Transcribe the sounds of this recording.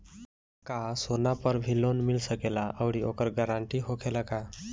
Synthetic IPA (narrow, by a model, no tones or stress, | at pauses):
kasonapəɾbʱilonmilsəkelaʔəwɽiokəɾɡəɾaɳʈiɦokʰelaka